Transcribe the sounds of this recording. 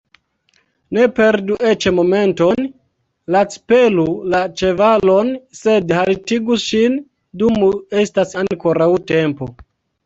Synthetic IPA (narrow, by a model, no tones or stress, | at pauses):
ne̞pe̞ɾduʔe̞t͡ʃmo̞me̞nto̞n | lat͡spelulat͡ʃe̞valo̞nse̞dhaltiɡuʃin | dumue̞stasaŋkoɾawte̞mpo